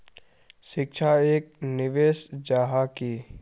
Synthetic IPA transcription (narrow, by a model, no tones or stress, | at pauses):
ʃɪk̚t͡ʃʰaeːk̚nɪʋeːsd͡ʒaːɦakiː